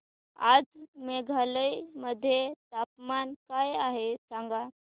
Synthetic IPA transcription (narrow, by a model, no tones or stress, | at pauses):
ad͡zmeɡʱaləjməd̪ʱːjet̪apmankajaɦesãŋɡa